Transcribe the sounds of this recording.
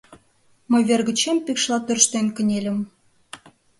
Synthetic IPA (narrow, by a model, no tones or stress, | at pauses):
məjβerɣə̆t͡ɕempikʃlɑt̪ørʃt̪enkə̆nʲelʲə̆m